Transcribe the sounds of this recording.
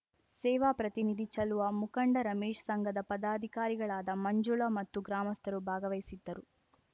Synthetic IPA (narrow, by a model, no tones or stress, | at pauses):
sɛːʋaːpɾɐt̪inid̪ʱit͡ʃɐluʋɐmukɐɳɖɐɾɐmeːʂɐ̥sɐŋɡʱɐd̪ɐpɐd̪aːd̪ʱikaːɾiɡɐɭaːd̪ɐmɐɲd͡ʒuɭɐmɐt̪ːuɡɾaːmɐst̪ʰɐɾubʱaːɡɐʋɐjsid̪ːɐɾu